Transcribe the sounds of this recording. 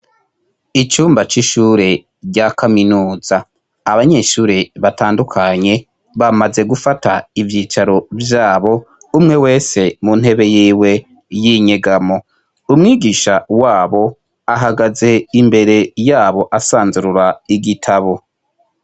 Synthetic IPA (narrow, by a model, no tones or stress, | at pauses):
it͡ʃuːmbat͡ʃiʃuɾe̞ | ɟakaminuːz̥aː | βaɲe̞ʃuːɾe̞βataːndukʰaɲe̞ | βamaze̞ɡufataivjiːt͡ʃaɾo̞vjaːβo̞ | umŋe̞we̞ːse̞munhe̞βe̞jiːwe̞ | jiɲe̞ɡamo̞ | umŋiːɡiʃawaːβo̞ | aɦaɡaze̞imbe̞ɾe̞jaːβo̞ʔasaːnzuɾuɾaiɡitʰaβo̞